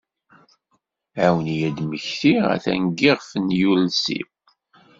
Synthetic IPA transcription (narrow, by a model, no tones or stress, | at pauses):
ʕawənjæd̪məçθiæ̰θæ̰ŋɡiʁfənjulsḭ